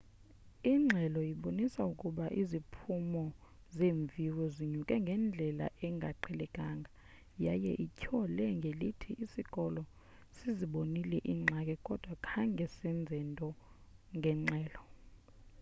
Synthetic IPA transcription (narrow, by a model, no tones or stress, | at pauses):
iŋ͡ǁʱɛlɔjiɓonisaukʼuɓaʔizipʰumɔ | zeːɱvʱirɔziɲukʼɛŋɡʱɛnd͡ɮʱɛla̰ʔɛŋɡʱa̰ǃʰɛlɛɡʼʱaːŋɡʱa | jajɛ̰ʔicʰɔlɛŋɡʱelitʰiʔːsikʼɔlɔ | siziɓonilɛʔiŋ͡ǁʱakʼɛkʼɔd̥ʱwakʰaŋɡʱɛsɛnd͡zʱɛntʼɔ | ŋɡʱɛŋ͡ǁʱɛːlɔ